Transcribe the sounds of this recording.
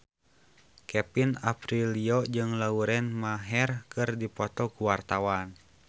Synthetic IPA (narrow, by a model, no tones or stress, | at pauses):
kɛpinapɾiliɔd͡ʒɨŋlauɾɛnmaɦɛrkɨrdipɔt̪ɔkuwart̪awan